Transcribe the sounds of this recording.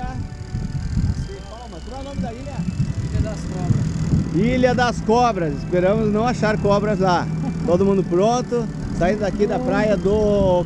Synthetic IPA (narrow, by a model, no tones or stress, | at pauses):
sĩfalɐmaɾãnõmɪd̪ɐilʲɐilʲɐd̪ɐskɔbɾɐsilɐd̪ɐskɔbɾɐzɪspeɾɐ̃mʊznɐ̃w̃aʃaɾkɔbɾɐzlat̪od̪ʊmũnd̪ʊpɾõnt̪ʊ | saĩnʊd̪akid̪ɐpɾajɐd̪ʊ